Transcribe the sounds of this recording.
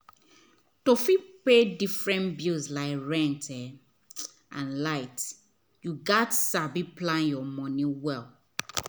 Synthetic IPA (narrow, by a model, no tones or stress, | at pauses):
tofipedifɹɛ̃nbilslaɪkɹɛ̃ntʰɛ | ãnlaɪt | juɡatsabiplãnjɔmɔ̃nĩwɛl